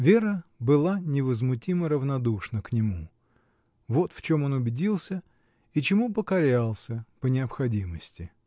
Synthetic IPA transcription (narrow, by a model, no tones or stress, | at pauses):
vʲeɾəbɨlˠanʲɪvəzmʊtʲiməɾəvnɐd̪uʂnəknʲɪmu | vo̞t̪ft͡ɕo̞mo̞nʊbʲɪdʲilˠsʲə | it͡ɕɪmupəkɐɾʲalˠsʲəpənʲɪɐpxɐdʲiməsʲtʲɪ